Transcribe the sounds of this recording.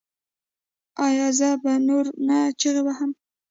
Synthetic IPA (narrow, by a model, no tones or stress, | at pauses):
ɑjɑzabanoɾnat͡ʃeɣebaham